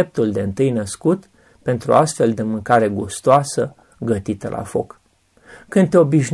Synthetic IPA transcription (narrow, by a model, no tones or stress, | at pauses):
ep̚t̪uld̪e̞ɨnt̪ɨjnəskut̪ | pe̞nt̪ɾṵast̪fe̞ld̪e̞mɨŋkaɾe̞ɡust̪oasə | ɡət̪it̪əlʔa̰fo̞̰k | kɨnd̪̚t̪eo̞biʃn